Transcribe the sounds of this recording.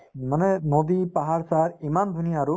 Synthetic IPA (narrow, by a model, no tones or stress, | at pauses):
manɛnod̪ipaɦaɹsaɹimand̪ʱunijaːɹu